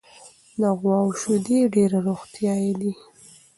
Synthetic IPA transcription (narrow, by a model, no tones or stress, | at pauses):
laɣwɑwʃud̪eɖeɾaɾoɣt̪jɑjed̪i